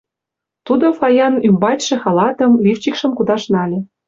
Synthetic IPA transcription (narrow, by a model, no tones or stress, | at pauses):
t̪ud̪ofɑjɑnymbɑtʲʃĕxɑlɑt̪ɤ̆mlift͡ɕikʃə̆mkud̪ɑʃnɑlʲĕ